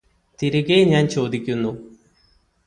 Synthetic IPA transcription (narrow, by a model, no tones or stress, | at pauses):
t̪iɾuɣejɲaːnt͡ɕo̞ːd̪ikʲːunːu